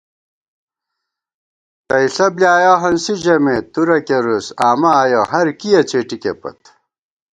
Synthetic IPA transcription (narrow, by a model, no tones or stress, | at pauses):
t̪ɐiɬɐbljaːjoɦɐnsiʑɐmet̪uɾɐkeɾusaːmɐːjoɦɐɾkijɐt͡ɕeːʈikḛpɐ̰t̪